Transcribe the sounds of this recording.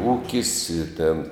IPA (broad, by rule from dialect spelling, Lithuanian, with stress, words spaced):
ˈuːkʲɪs ɪ tʲeːn